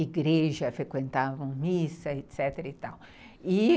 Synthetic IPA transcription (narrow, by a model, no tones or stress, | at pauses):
iɡɾeʒɐfɾekwẽnt̪avɐ̃w̃misɐet̪sɛt̪eɾɐit̪aw | ɪ